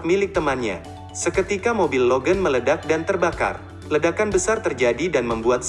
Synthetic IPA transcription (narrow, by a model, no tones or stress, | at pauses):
milɪk̚t̪əmanɲa̰ | səkət̪ikamobilːoɡənmələdak̚dant̪ərbaka̰r | lədakanbəsart̪ərd͡ʒadidanməmbuat̪̚s